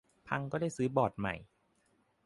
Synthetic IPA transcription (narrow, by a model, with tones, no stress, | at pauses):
pʰa˧ŋkɔː˥˩da˥˩jsɯː˨˦˥bɔː˨˩t̪̚ma̰˨˩j